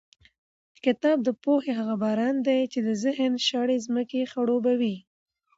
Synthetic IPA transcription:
kɪt̪ɑb̚d̪əpoxeɦaɣabɑɾɑnd̪ejt͡ʃed̪əzɪhənʃɑɽezməkexaɽobawi

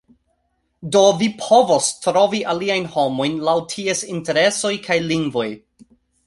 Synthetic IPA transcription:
do̞vipʰo̞vo̞stɾo̞viʔaliajnho̞mo̞jnlawtʰiesinte̞ɾe̞so̞jkʰajliŋɡvo̞j

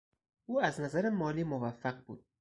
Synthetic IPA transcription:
uːaznazaɾɪmɒliːmovafːaq̚bṵd̪̥̚

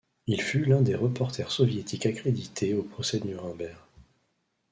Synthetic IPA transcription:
ilfylɛ̃d̪eʁəpɔʁt̪ʰɛʁsɔvjet̪ikakχed̪it̪ʰeopχɔsɛd̪nyʁɛ̃bɛʁ

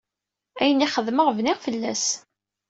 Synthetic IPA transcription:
æjəniχəðməʁvnɪʁfəlːæs

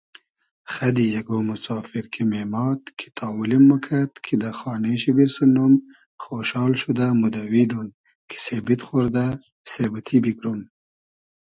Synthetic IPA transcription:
xad̪ijaɡomusɑːfiɾkʰimemɑːt̪kʰi̥t̪ʰɑːwulimːəkʰat̪kʰid̪axɑːneʃibiɾsənum | xoʃɑːlʃud̪amud̪awid̪un | kʰi̥sebit̪xoɾd̪a | sebət̪ʰibikɾum

